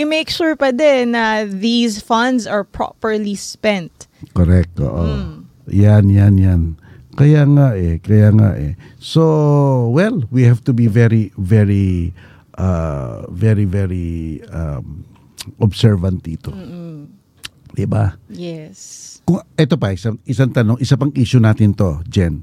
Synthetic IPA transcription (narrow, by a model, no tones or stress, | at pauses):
jʊmejkʃuɹpɐd̪ɛnːɐðizfɐ̃nd̪zɐɹpɹɔ̰pəɹlispɛ̃nt̪koɾɛk̚t̪o̰ʔo | janjanjan | kɐjaŋaʔɛkɐjaŋa̰ʔɛ̰sowɛlwihavt̪ʊbivɛɹivɛɹi | ʔavɛɹivɛɹia̰m | ʔɔbsɛɹvɐnt̪̚d̪iːt̪o | d̪ɪbajɛskʊŋʔɛt̪opɐʔɪsaŋʔɪsaŋt̪ɐnoŋʔɪsapɐŋʔiːʃʊnaːt̪ɪnt̪o̞d͡ʒɛn